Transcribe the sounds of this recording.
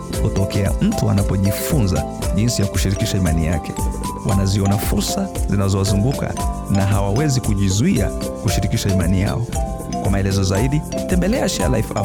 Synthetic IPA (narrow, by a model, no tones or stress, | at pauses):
hutɔkʰɛa̰m̩tuanapɔʄifunza | ʄinsijaku̥ʃiɾikiʃaimanija̰kɛ̥wʔa̰naziɔnafuɾsazinazɔwazuŋɡuka̰naɦawawɛzikuʄizuia̰kuʃiɾikiʃaimanija̰ɔ | kwamaɛlɛzɔzaiɗitɛmbɛlɛaʃia̰la̰ifa̰